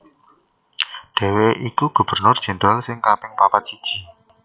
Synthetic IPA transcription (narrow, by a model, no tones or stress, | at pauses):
ɖ̥e̤weʔikuɡ̥ṳb̥ərnʊr̥ʒ̥ə̤nd̪ɾalsɪŋkapɪŋpapat̪̚sid̥ʒ̥i̤